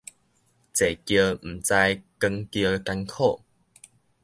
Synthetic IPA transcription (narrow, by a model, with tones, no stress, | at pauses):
t͡se˨˩kjə˧m̩˨˩t͡sa˧jkə˧ŋkjə˧ka˧nkʰo˥˧˨